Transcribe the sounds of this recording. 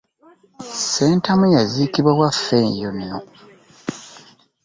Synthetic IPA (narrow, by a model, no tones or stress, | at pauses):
seːntamujazikiβwawafːeɲjonio